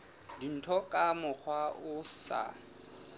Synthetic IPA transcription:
din̩tʰɔkʼamʊk͡xʰwaʔʊsa̰

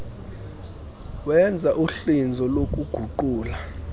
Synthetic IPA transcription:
wɛnd͡zʱaʔuɬind͡zʱɔlok̬uɡ̥ʱuǃuːla

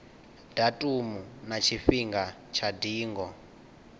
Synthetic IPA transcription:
d̥atʼumunat͡ʃʰifiŋɡa | t͡ʃʰadiːŋɡɔ

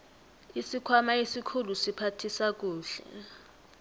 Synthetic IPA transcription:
isikʰwamaesikʰulusipʰatʰisak̬ʼuːɬɛ̰

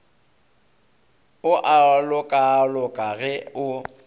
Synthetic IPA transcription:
ʊʔalʊkʼalʊkʼaɣɛʊ

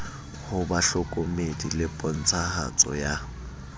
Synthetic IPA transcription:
hʊbaɬʊkʼomedḭlɪpʼɔn̩t͡sʰaha̰t͡sʼɔ̰ja

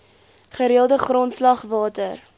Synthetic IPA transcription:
χəɾiəlˠdəχrɔntslɐχvɑːtər

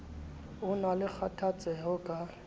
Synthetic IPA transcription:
ʊnalɪk͡xʰatʰat͡sʼɛɦɔkʼa

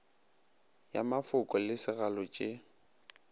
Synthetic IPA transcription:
jamafʊkʼɔlɪsɪɣalɔt͡ʃʼe

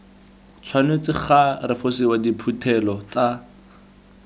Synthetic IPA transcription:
t͡sʰwanwet͡sɪχarɪfosiwadipʰutʰɛlɔt͡sa

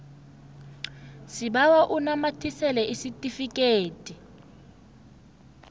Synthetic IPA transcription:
siɓawaʔunamatʰisɛlɛʔisitʼifikʼeːtʼi

